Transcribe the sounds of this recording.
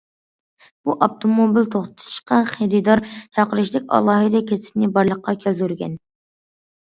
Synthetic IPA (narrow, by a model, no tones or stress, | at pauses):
b̥uʔɑp̚t̪ʰomobilt̪ʰoχt̪ʰʊ̥t̪ʰu̥ʃqɑχeɾɨd̪ɑɾt͡ʃʰɑqəɾɨʃlˠɪkʲɑ̰lˠɑːɦɨd̪ɛkʲesɪ̥p̚nɪbɑɾlˠəqːɑkʲʰælt̪yɾɡʲɛ̰n